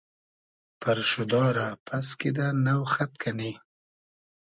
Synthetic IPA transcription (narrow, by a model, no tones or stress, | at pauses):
pəɾʃʊd̪ɑɾapʰaskid̪anawxat̪̚kʰani